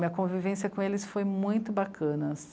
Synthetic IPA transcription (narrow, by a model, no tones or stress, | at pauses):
mĩɐkõvivẽsiɐkõelɪsfojmũj̃t̪ʊbakʰɐ̃nɐs